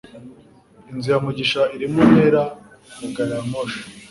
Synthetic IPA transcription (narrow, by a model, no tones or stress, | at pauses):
inzijamuɟiʃaiɾimunheɾa | mukaɾamoʃḁ